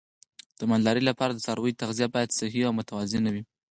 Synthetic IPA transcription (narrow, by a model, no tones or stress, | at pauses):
d̪̥əmanlɑɾəjlapɑɾad̪əsɑɾwəjt̪aɣzijabɑjad̪sɪhiawmʊt̪awazɪnawi